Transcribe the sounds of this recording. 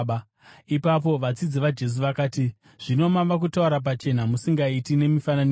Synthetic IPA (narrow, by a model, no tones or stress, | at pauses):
ɓa | ipap̬o̞ʋat͡sid͡ziʋad͡ʒe̞s̬uʋakaːti | ʐ̥ino̞maʋak̬utauɾap̬at͡ʃe̞namusiŋɡaitine̞mifanani